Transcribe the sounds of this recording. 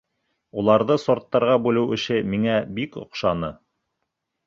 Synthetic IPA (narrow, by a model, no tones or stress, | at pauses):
ulˠɑɾðɤsoɾt̪ːɑɾʁɑbʉlɘwɘ̆ʃɘmiŋæbikŏ̰qʃɑnɤ